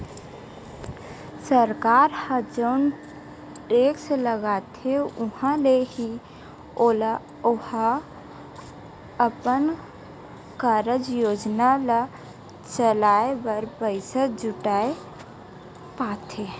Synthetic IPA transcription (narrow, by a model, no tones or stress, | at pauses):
səɾkaɾhəd͡ʒəʊn | ʈeksləɡat̪ʰeʊɦãleɦi | ol | ohə̃ | əpən | kəɾəd͡ʒjod͡ʒnalə | t͡ʃəlaebəɾbəɪsəd͡ʒʊʈae | pat̪ʰe